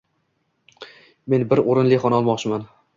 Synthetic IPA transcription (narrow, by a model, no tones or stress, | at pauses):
me̞nbɪɾoɾɪnlɪχɒnæɒlˠmɒqt͡ʃʰɪman